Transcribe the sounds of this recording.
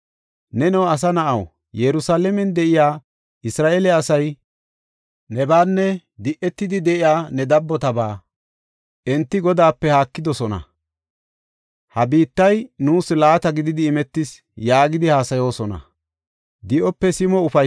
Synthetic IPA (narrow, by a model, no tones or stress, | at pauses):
nɛnɛwɐs̬ɐnɐʔɐw | jɛɾʊsaːlɛmɛnd̪ɛʔɪjaː | ʔɪsɾaːʔelɛɐsɐj | nɛbaːnːɛ | d̪ɪʔɛt̪ːɪd̪ɪd̪ɛʔɪjaːnɛd̪ɐbːɔt̪ɐbaː | ʔɛnt̪ːɪɡɔd̪aːpːɛhaːkːɪd̪ɔsɔnɐ̰ | hɐbiːt̪ːɐjnuːslaːt̪ɐɡɪd̪ɪd̪ɪːmɛt̪ːɪs | jaːɡɪd̪ɪhaːsɐjo̞ːsɔnɐ̰ | d̪ɪʔɔpːɛsɪmɔʊfɐ